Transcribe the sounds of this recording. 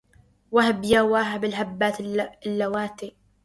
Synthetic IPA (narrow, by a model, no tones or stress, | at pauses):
wahabjaːwaːɦabɪlɦabːaːt̪ɪlːawaːt̪i